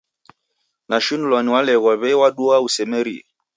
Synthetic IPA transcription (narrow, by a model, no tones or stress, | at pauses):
naʃunlɔniwalɛɣɔβɛwaɗuausɛmɛɾḭ